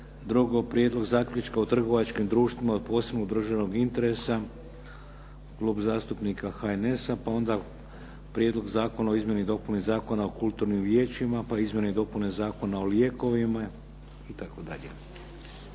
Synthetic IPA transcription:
d̪ɾuɡopɾʲjed̪lˠo̞ɡzaːkʎʲut͡ʃkaot̪r̩ɡo̞ʋat͡ʃkimd̪ɾuːʃt̪ʋimaod̪̚po̞ːsebnoɡud̪r̩ʒano̞ɡint̪e̞ɾe̞sa | klˠuːbzaːst̪upnikaxaene̞sapao̞nd̪a | pɾʲjed̪lˠo̞ɡzaːko̞nao̞izmje̞nid̪o̞punizaːko̞naokulˠt̪uɾnimʋjeːt͡ʃimapaizmje̞neid̪o̞punezaːko̞nao̞ljeko̞ʋima | it̪akod̪a̰ʎḛ

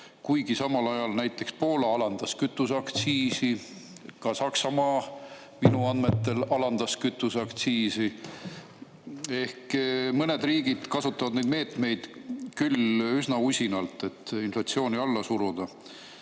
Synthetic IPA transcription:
kujɡ̥isɑmɑlɑjɑlnæjt̪ːˑe̞kspo̞ːlɑɑlɑnd̪̥ɑskyt̪ːˑusɑkt̪siːsi | kɑsɑksɑmɑː | minuɑnd̪me̞t̪ːe̞lɑlɑnd̪̥ɑskyt̪ːˑusɑkt̪siːsi | e̞hkmɤne̞d̪riːɡid̪̥kɑsut̪ːˑɑvɑd̪̥ne̞jd̪me̞ːt̪me̞jd̪̥kylysnɑusʲinɑlt̪ˑe̞t̪ːinflɑt̪sio̞ːniɑlːɑsuɾud̪̥ɑ

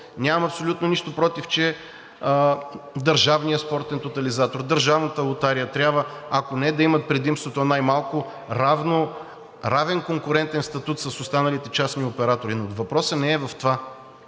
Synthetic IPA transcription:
nʲamɐmɐpsolʲut̪noniʃt̪opɾɔt̪ift͡ʃɛ | əd̪ɐɾʒavnijəspɔɾt̪ɛnt̪ot̪ɐlizat̪oɾd̪ɐɾʒavnət̪əlˠʊt̪aɾijət̪ɾʲjabvəakonɛd̪ɐimɐt̪̚pɾɛd̪imst̪vot̪onajmalˠkʊ | ɾavno | ɾavɛnkoŋkʊɾɛnt̪ɛnst̪ɐt̪ut̪sɐsʊst̪anɐlit̪ɛt͡ʃasniopɛɾat̪oɾinovɐpɾɔsənɛɛvɐft̪ova

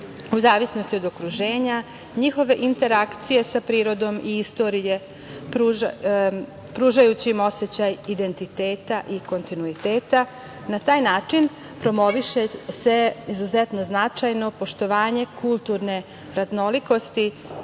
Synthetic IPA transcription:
uzaːʋisno̞st̪io̞d̪o̞kɾuʒe̞ːɲa | ɲixo̞ʋe̞ʔint̪e̞ɾakt̪sije̞sapɾiːɾo̞d̪o̞miist̪o̞ːɾije̞ | pɾu | pɾuːʒajut͡ɕimo̞set͡ɕajid̪e̞nt̪it̪e̞ːt̪aʔiko̞nt̪inuit̪e̞ːt̪a | nat̪aːjnaːt͡ʂin | pɾo̞mo̞ʋiʃese̞izuzet̪no̞znat͡ʂajno̞po̞ʃt̪o̞ʋaːɲe̞kulˠt̪uɾne̞ | ɾazno̞liko̞st̪i

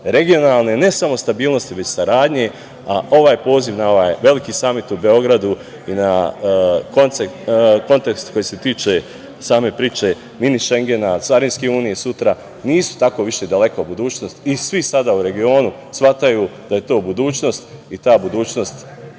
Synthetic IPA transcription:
ɾe̞ɡio̞naːlˠne̞ne̞samo̞st̪abiːlˠno̞st̪iʋe̞t͡ɕsaɾaːd̪ɲe̞ | aʔo̞ʋaːjpo̞ːziʋnao̞ʋaːjʋe̞likisamit̪ube̞o̞ɡɾad̪u | ina | kont̪sekko̞nt̪e̞kst̪ko̞jise̞t̪iːt͡ʃe | saːme̞pɾiːt͡ʃe̞ | miniʃe̞ŋɡe̞nat̪saɾinskeuːnijesut̪ɾa | niːsu̥t̪ako̞ʋiʃe̞d̪ale̞kobud̪uːt͡ʃno̞st̪isʋisad̪auɾe̞ɡio̞ːnu | sʋat̪ajud̪̥aje̞t̪o̞ːbud̪uːt͡ʃno̞st̪it̪aːbud̪uːt͡ɕno̞st̪

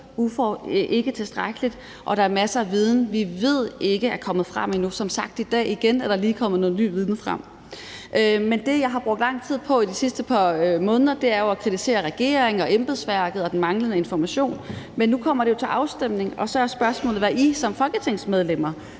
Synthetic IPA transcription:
ufɒʔe̝ɡ̥ət͡sʰe̝sd̥ʁaɡ̥əlid̥ | ʔɒ̽ɾ̥ɑ̈æɐmæsəæʋið̞ˠnʋiʋe̝ð̞̰ˠe̝ɡ̥əæɐkʰɒ̽m̰ð̩ˠfʁɑ̈m̰inusɒ̽msɑ̈ɡ̥̚d̥id̥ɛ̰ːiɡ̥enæɐɾ̥ɑliːkʰɒ̽m̰ðˠnɔ̽ːð̩ˠny̰ːʋið̞ˠn̩fʁɑm̰ | ʔmend̥e̝jɑ̈ɪɦɑ̈b̥ʁɔɡ̥̚d̥lɑ̈ŋ̰t͡sʰið̞̰ˠpʰɒ̽idisisd̥əpʰɑ̈ømɔ̽ːnðˠɐd̥e̝æɐjoækʰʁit͡sʰise̝̰ːɐʁɛɡ̥e̝̰ːɐeŋɒ̽ʔemb̥eðˠsʋæɐɡ̥ð̞̩ˠɒ̽d̥en̩mɑ̈ŋlənəe̝nfɒmæɕo̝̰ːnmenːukʰɒ̽m̰ɐɾ̥e̝jo̝t͡sʰe̝lʔɑ̈ʊsd̥em̰ne̝ŋɒ̽sɒ̽æsb̥ɶɐsmɔ̰lð̩ˠʋæʔisɒ̽mfɒ̽lɡ̥ət͡sʰe̝ŋsmeð̞ˠlem̰ɐ

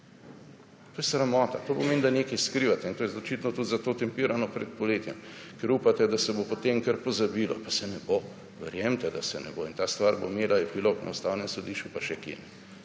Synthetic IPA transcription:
t̪oːjɛsɾamɔːt̪at̪oːpomeːnd̪aneːkɛjskɾiːʋat̪ɛint̪oːjɛzot͡ʃit̪nɔt̪ut̪zat̪oːt̪ɛmpiɾanɔpɾɛt̪̚pɔleːt̪jɛm | kɛɾuːpat̪ɛd̪asɛbopot̪emkəɾpozabilɔ̰pasɛnɛbo | ʋɛɾjɛmt̪ɛd̪asɛnɛ̰boint̪aːst̪ʋaɾbo̰meːlaɛpiloknʔa̰ust̪aːwnɛmsod̪iʃt͡ʃupaʃɛkḛːnɛ

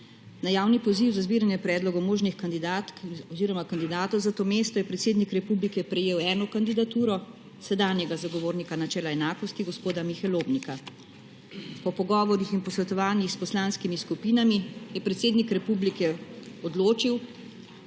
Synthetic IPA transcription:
najaːwnipɔziwzazbiːɾanjɛpɾɛːd̪lɔɡɔwmoːʒnixkand̪id̪aːt̪kɔziːɾɔmakand̪id̪aːt̪ɔwzat̪oːmeːst̪ɔjɛpɾɛt̪seːd̪nikɾɛpublikɛpɾɛjeːwɛːnɔkand̪id̪at̪uːɾɔ | sɛd̪aːnjɛɡazaɡɔʋoːɾnikanat͡ʃɛːlaɛnaːkɔst̪iɡɔspoːd̪amixɛloːbnika | pɔpɔɡɔːʋɔɾixinpɔsʋɛt̪ɔʋaːnjixspɔslaːnskimiskupiːnamijɛpɾɛt̪seːd̪nikɾɛpublikɛɔd̪loːt͡ʃiw

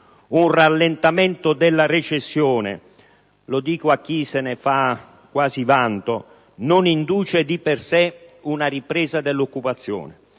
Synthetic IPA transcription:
unralːent̪amɛnt̪od̪ɛlːaret͡ʃesːjɔːnḛ | lod̪iːkoak̟ːisenefa | kːwaːzivant̪o | nonind̪uːt͡ʃed̪ipersɛunaripɾɛːzad̪ɛlːokːupat̪sːjɔ̰ːnɪ

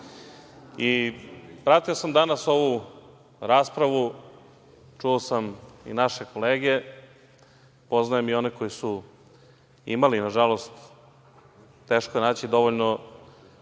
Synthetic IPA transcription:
i | pɾat̪iosamd̪anaso̞ʋu | ɾaːspɾaʋu | ʈ͡ʂuosamḭnaʃe̞ko̞leːɡe̞ | po̞znajemio̞neko̞jisu | ḭmalinaʒalo̞st̪ | e̞ːʃkojenaːt͡ɕid̪o̞ʋoʎno

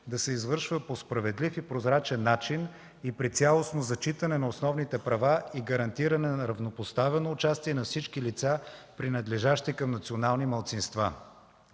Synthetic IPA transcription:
d̪ɐsɛizvɤɾʃvəpospɾɐvɛd̪lifipɾozɾat͡ʃɛnːat͡ʃin | ipɾit̪sʲalˠosnozɐt͡ʃit̪ənɛnɐosnɔvnit̪ɛpɾɐvaiɡɐɾɐnt̪iɾɐnɛnɐɾɐvnopost̪avɛnoːt͡ʃast̪iɛnɐfsit͡ʃkilit̪sapɾinɐd̪lɛʒaʃt̪ikɐmnɐt̪sionalˠnimɐlˠt̪sinst̪va

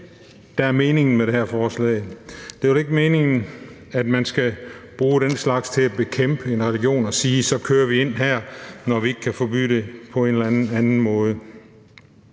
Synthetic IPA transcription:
d̥ææɐme̝ːne̝ŋn̩meɾ̥ehæɐfɒːslɛ̰ɪd̥e̝ʋele̝ɡ̥əme̝ːne̝ŋn̩ | æd̥mænsɡ̥æb̥ʁuːɾ̥enslɑ̈ɡ̥st͡sʰe̝læb̥e̝kʰem̰b̥əe̝nʁɛliɡ̥jo̝̰ːnɒ̽siːsɒ̽kʰøːɐʋie̝n̰ɦæɐ̰nɒʋie̝ɡ̥kʰæfɒ̽b̥y̰ːdɾ̥e̝pʰɒ̽e̝ːnelæn̩ænn̩mɔ̽ːð̞ˠə

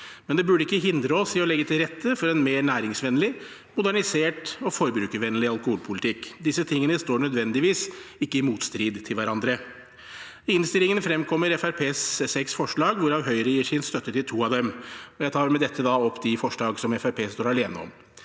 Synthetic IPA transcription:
mɛnd̪ɛbʉɖəɪkːəɦɪnd̪ɾəɔsɪɔlɛɡːət̪ʰɪlɾɛt̪ʰːəfɔɾɛnmeːɳæːɾɪŋsʋɛnəlɪ | mʊd̪æɳɪseːʈɔfɔɾbɾʉːkəʋɛnəlɪɑlˠkʊhuːlpʰʊlɪt̪ʰɪkːd̪ɪsːət̪ʰɪŋːənəst̪oːɳœd̪ʋɛnd̪ɪʋiːsɪkːəɪmuːt̪st̪ɾiːd̪t̪ʰɪlʋæɾɑnd̪ɾə | ɪnst̪ɪlɪŋənfɾɛmkʰɔmːəɾɛfæɾpʰeːsːɛksfɔʂɭɑːɡʋʊɾɑʋɦœʏɾəjiːʂɪnst̪œt̪ːət̪ɪlt̪ʰuːɑʋd̪ɛmɔjæɪt̪ʰɑːɾmɛd̪ɛt̪ʰːəd̪ɑɔpːd̪ɪfɔʂɭɑːɡsɔmɛfæɾpʰeːst̪oːɾæleːnəɔ̰m

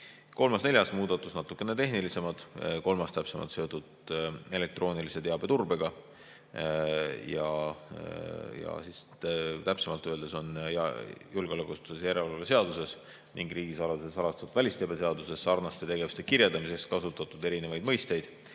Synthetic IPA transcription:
ko̞lmɑsne̞lʲjɑsmuːd̪̥ɑt̪ːˑusnɑt̪ːˑukːˑenet̪e̞ɦnilise̞mɑd̪̥ko̞lmɑst̪æpse̞mɑ̰t̪se̞o̞t̪ːˑud̪e̞le̞k̚t̪ro̞ːnilise̞t̪e̞ɑb̥e̞t̪urbe̞ɡ̥ɑ | jɑ | jɑ̰sis | t̪æpsemɑlt̪ːˑøe̞ld̪eso̞njjulɡeolækːˑust̪u̥sesjæɾellɑlese̞ɑd̪use̞s | niŋɡ̥riːɡisɑlɑd̪use̞sɑlɑst̪ɑt̪ud̥̪vælʲist̪ebese̞ɑd̪use̞sːɑrnɑst̪et̪e̞ɡe̞vu̥st̪ekirjeld̪ɑmise̞kskɑsut̪ːˑɑt̪ːˑud̪e̞ɾine̞vɑjd̪mɤjst̪e̞jd̪̥

